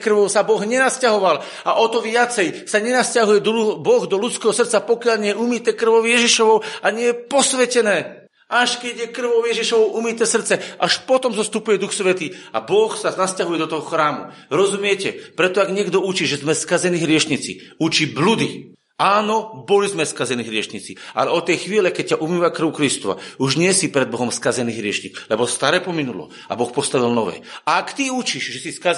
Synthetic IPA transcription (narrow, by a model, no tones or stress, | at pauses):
kr̩ʋɔʊsabɔɣɲɛnascaɦɔʋal | aʔɔt̪ɔʋɪat͡sɛjsaɲɛnascaɦujɛd̪ɔubɔɣd̪ɔlut͡skɛːɦɔsr̩t̪t͡sapɔkɪaʎɲɛjɛumit̪ɛːkr̩ʋɔʊjɛʒiʃɔʋɔʊaɲɛjɛpɔsʋɛcɛnɛː | aʃkɛɟjɛkr̩ʋɔʊjɛʒiʃɔʋɔʊʔumit̪ɛːsr̩t̪t͡sɛʔaʃpɔt̪ɔmzɔst̪upujɛd̪uxsʋɛt̪iːa̰bɔxsanascaɦujɛd̪ɔt̪ɔɦɔxɾaːmṵɾɔzumɪɛcɛpɾɛt̪ɔaɡɲɪɛɡd̪ɔut͡ʃiːʒɛzmɛskazɛniːɦɾɪɛʃɲit͡sḭ | ut͡ʃiblud̪i | aːnɔbɔlizmɛskazɛniɦɾɪɛʃɲit͡siʔa̰lɛɔt̪ɛjxʋiːlɛkɛc̚caʔumiːʋakɾr̩ʊkɾist̪ɔʋa̰uʒɲɪɛsipɾɛd̪bɔɦɔmskazɛniːɦɾɪɛʃɲiklɛbɔst̪aɾɛːpɔminulɔ̰ | a̰bɔxpɔst̪aʋilnɔʋɛ̰ːaakt̪iut͡ʃiʃʒɛsiska